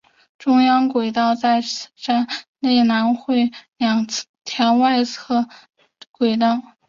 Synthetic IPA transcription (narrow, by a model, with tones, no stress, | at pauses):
ʈ͡ʂʊ˥ŋjɑ˥ŋkwe˨˩ɪt̪̬ɑ˥˧ʊt͡sa˥˧ɪ˥˩ʂa˥nne˥˩ɪna˧˥nxwe˥˩ɪljɑ˨˩ŋt͡sʰt̪ʰjɛ˧˥nwa˥˧ɪt͡sʰɤ˥˩ | kwe˨˩ɪt̪ɑ˥˩ʊ